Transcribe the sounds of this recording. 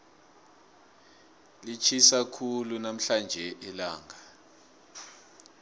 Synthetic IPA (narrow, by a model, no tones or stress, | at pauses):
lit͡ʃʰisakʰulunam̩ɬand͡ʒʱɛʔilaːŋʱa